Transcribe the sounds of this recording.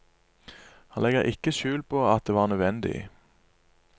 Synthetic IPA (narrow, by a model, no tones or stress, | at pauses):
hɑnlɛɡəʁʔɪkəʃʉːlpʰoːɑt̪̚d̪eːʋɑːʁnœʋɛnd̪ɪ̰